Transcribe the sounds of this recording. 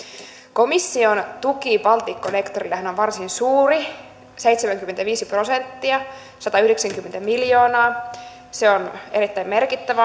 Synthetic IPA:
ko̞misːiont̪ukipɑlt̪ikːonekt̪orilːehænoʋʋɑrsinsuːri | sejt̪semæŋkymːent̪æʋiːsipro̞sent̪ːiɑ | sɑt̪ɑyhdeksæŋkymːent̪æmiljo̞ːnɑː | seoneɾit̪ːæimmerkit̪ːæʋæ

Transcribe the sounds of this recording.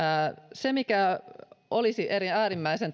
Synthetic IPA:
semikæ | olisiʔeɾiæːɾimːæisen

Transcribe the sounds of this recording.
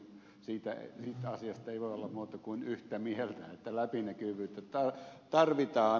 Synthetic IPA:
siːt̪æḛsiːt̪ɑsiɑst̪eiʋoˑiolːɑmmuːt̪ɑkuinyht̪æmielt̪æ̰et̪ːælæpinækyʋyːt̪ːet̪ɑt̪ɑrʋit̪ɑː

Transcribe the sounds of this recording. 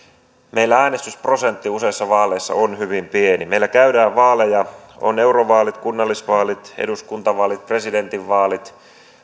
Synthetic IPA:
me̞jlːææːnest̪yspro̞se̞nt̪ːiuse̞isːɑʋɑːlejsːɑ̰onhyʋimpienimeilːækæydæːʋʋɑːlejɑo̰ne̞wroʋɑːlit̪kunːɑlːisʋɑːlit̪ḛduskunt̪ɑʋɑːlit̪̚pre̞side̞nt̪iʋːɑːlit̪

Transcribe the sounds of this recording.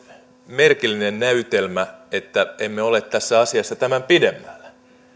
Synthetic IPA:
merkilːinennæyt̪elmæet̪ːæemːeo̞let̪tːæsːæɑsiɑsːɑt̪æmæmpidemːæl̥ːæ̥

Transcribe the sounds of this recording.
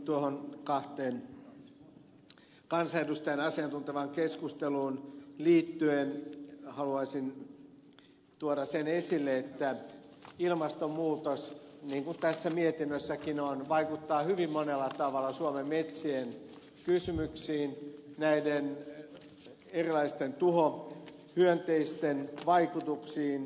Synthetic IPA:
t̪uohonkɑht̪eːn | kɑnsɑedust̪ɑjɑnɑsiɑnt̪unt̪eʋɑŋkeskust̪eluːnliːt̪ːyenhɑluɑsin | t̪uoɾɑsenesilːeet̪ːæ | ilmɑst̪ommuːt̪osniːŋkunt̪æsːæmiet̪inːøsːækinonʋɑikut̪ːɑːhyʋimːonelːɑt̪ɑʋɑlːˑɑsuomemːet̪sien | kysymyksiːnnæiden | erilɑist̪ent̪uho | hyønt̪eist̪enʋɑikut̪uksiːn

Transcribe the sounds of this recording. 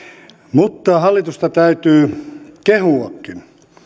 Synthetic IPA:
mut̪ːɑhɑlːit̪ust̪ɑt̪æyt̪yːkehuɑkːin

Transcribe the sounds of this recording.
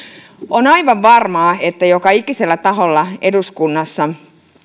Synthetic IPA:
onɑiʋɑʋʋɑrmɑːet̪ːæjokɑikiselːæt̪ɑɦolːɑeduskunːɑsːɑ

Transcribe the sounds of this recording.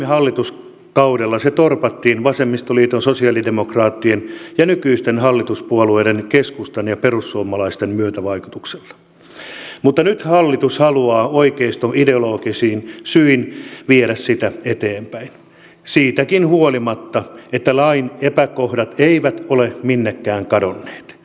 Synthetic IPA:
ehɑlːit̪us | kɑudelːɑset̪orpɑt̪ːiːnʋɑsemːist̪oliːt̪onsosiɑlidemokrɑːt̪ːienjɑnykyist̪enhɑlːit̪uspuolueːdenkeskust̪enjɑperusːuomɑlɑist̪emmyøt̪æʋɑikut̪ukse̥lːɑ̥ | mut̪ːɑnyt̪hɑlːit̪ushɑluɑːoikeist̪oideoloːkisiːnsyinʋieɾæssit̪æet̪eːmpæin | siːt̪ækinhuolimɑt̪ːɑet̪ːælɑinepækohdɑt̪eiʋæt̪oleminːekːæːŋkɑdonːe̥ːt̪

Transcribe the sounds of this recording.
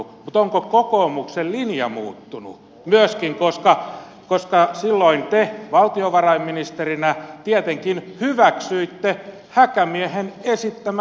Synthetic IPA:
mut̪oŋkokokoːmuksellinjɑmṵːt̪ːunṵ | myøskiŋkoskɑ | koskɑsilːoint̪eʋɑlt̪ioʋɑrɑimminist̪erinæt̪iet̪eŋkinhyʋæksyit̪ːe | hækæmiehenesit̪ːæm

